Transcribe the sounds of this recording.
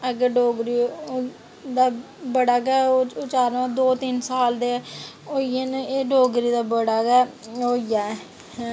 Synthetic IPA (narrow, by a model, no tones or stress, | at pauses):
əɡəɖoːɡɾiː | d̪aː | bəɽaːɡɛːoʊt͡ʃaːɾãːd̪oːt̪ɪnsaːld̪eː | oːieneːɖoːɡɾiːd̪aːbəɽaːɡɛːoːɪjaːɛ | hː